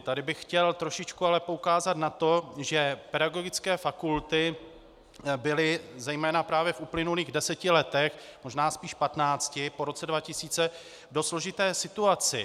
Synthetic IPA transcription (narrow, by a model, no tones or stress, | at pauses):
t̪adɪbɪxxcɛlt̪ɾoʃɪt͡ʃkualɛpoukaːzat̪nat̪o̞ʒɛpɛdaɡo̞ɡɪt͡skɛːfakult̪ɪ | bɪlɪzɛjmɛːnapɾaːvjɛfʔuplɪnuliːɣdɛsɛcɪlɛt̪ɛxmo̞ʒnaːspiːʃpat̪naːt͡scɪpo̞ɾo̞t͡sɛdvacɪsiːt͡sɛ | do̞slo̞ʒɪt̪ɛːsɪt̪uat͡sɪ